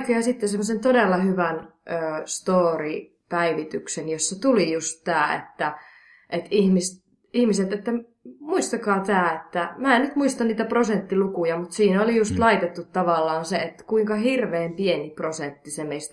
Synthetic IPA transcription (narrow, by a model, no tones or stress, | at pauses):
kojɑsit̪ːesemːosent̪odelːɑhyʋænøːst̪oːri | pæiʋit̪yksenjosːet̪ulijust̪tæːḛt̪ːæ | ʔet̪ihmist̪ | ihmiset̪et̪ːæ | muist̪ɑkɑːt̪æːet̪ːæmæːennyt̪muist̪ɑnniːt̪æprosent̪ːilukujɑmut̪siːnæolijust̪lɑit̪et̪ːut̪tːɑʋɑlːɑːnseet̪ːæ̥kuiŋkɑhirʋeːmpieniprosent̪ːisemeist̪